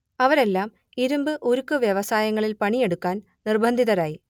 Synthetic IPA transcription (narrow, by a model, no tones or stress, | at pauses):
ɐʋɐɾe̞lːaːm | iɾumbɨʔoɾukːɨʋjɐʋɐsaːjɐŋːɐɭilpɐɳije̞ɽukːaːn | nirbʱɐnd̪ʱiðɐɾaːji